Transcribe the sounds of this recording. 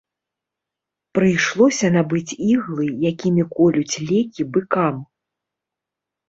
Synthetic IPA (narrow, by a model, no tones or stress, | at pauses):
pɾɨjʂlˠɔsʲɐnabɨt͡sʲiɣlˠɨjakʲimʲikɔlʲut͡sʲlʲɛkʲibɨkam